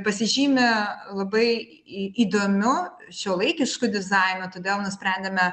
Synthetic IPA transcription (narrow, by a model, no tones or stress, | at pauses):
pɐsʲɪʒʲiːmʲɛlˠɐbɐɪ | iːd̪oːmʲʊ | ʃʲoːlˠɐɪkʲɪʃkʊd̪ʲɪzɑɪnot̪oːd̪ʲeːlˠnʊsʲpʲɾʲɛnʲd̪ʲemʲɛ